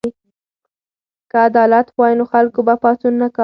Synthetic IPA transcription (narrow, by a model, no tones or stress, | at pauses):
i | kəad̪ɑlat̪wɑjinoxalkobapɑsunːakɑ